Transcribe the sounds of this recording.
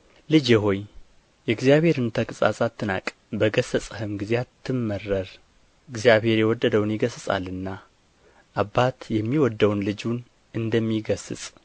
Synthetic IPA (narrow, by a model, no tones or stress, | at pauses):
lɨd͡ʒeɦo̞j | jɛɡzijaβhe̞ɾɨnt̪ʰəkʼɨsʼa̰sʼat̪ʰːɨna̰kʼ | bəɡəsəsʼəhɨmɡɨzeat̪ʰːɨmːərːəɾ | ɨɡzijaβhe̞ɾjɛwɔd̪ːəd̪əwnjɪɡəsɨsʼa̰lɨnːa | ʔabat̪jɛmːiwɔd̪ːəwnlɨd͡ʒun | ʔɨnd̪əmːiɡəsɨ̰sʼ